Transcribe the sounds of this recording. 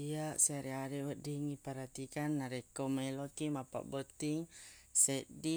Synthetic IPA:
iasɛɾɛaɾɛwɔdiŋipaɾhat̪ikanːaɾɛkɔmɛlɔkimapa̰ʔbɔt̪iŋsɛdi

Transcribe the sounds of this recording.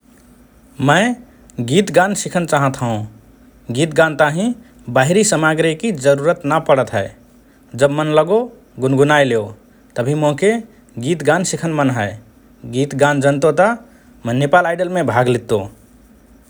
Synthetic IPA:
mə̃ɪ | ɡit̪ɡansikʰənt͡ʃaɦə̃t̪ɦəũ | ɡit̪ɡãnt̪aɦĩ | baɦiɾisəmaɡɾekid͡ʒəɾuɾət̪nəpəɽət̪ɦəe | d͡ʒəbmənləɡo | ɡunɡunajleo | t̪əbʱimoɦke | ɡit̪ɡansikʰənmənɦəe | ɡit̪ɡand͡ʒənt̪ot̪ɔ | mənepalaɪɖəlmẽbʱaɡlit̪õ

